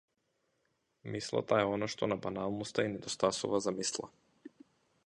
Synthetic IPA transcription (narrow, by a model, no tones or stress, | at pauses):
mislˠa̰t̪aɛɔnaʃt̪ɔnabanalˠnɔst̪ainɛd̪ɔst̪asṵvazamislˠa̰